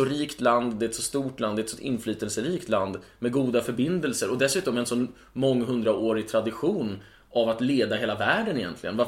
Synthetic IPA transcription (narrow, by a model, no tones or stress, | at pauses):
ɔɾiːkt̪land̪d̪ɛɛt̪sɔst̪uːʈland̪ɛt̪sɔɪ̰nːflyːt̪əlsəɾiːkt̪land̪mɛɡuːd̪afœɾbɪnd̪əlsəɾɔd̪ɛsʉ̟ːt̪ɔmɛnsɔnː | mɔŋːɦɵnd̪ɾaoːɾɪɡ̚t̪ʰɾad̪ɪɧuːn | ʔavat̪leːd̪ahɦeːlavæːɖənɪjɛ̰nt̪lɪɡə̰nva